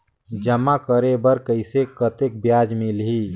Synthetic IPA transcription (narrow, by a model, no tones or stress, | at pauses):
d͡ʒəmakəɾebəɾkəɪsekət̪ek̚bjad͡ʒmilɦi